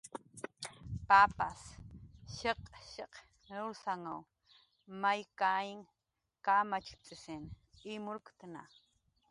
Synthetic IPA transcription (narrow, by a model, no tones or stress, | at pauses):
papa̰sʃeqʃeq | ɾʊɾsaŋaw | majkaɪŋ | kamat͡ʃkt͡sʼɪsɪn | imʊɾkt̪na̰